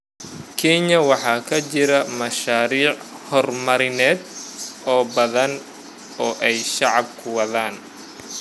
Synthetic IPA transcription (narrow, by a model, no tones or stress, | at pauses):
kʰɛɲɐwɑħɑːkʰɐt͡ʃɪɾɐmɐʃaːɾiːʕhɔrmɐɾɪnɛːd̪ɔːbɐðɐn | ɔːʔɛjʃɑʕɑbkʰʊwɑðaːn